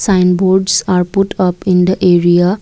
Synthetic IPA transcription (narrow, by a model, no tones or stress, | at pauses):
sãjnboɾɖsaɾpuʈʰʌpĩnd̪əʔeɾija